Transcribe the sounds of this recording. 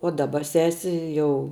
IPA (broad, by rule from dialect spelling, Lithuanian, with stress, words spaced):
oː dɐˈbɐ ˈsʲæːsʲɪ ˈjɛʊ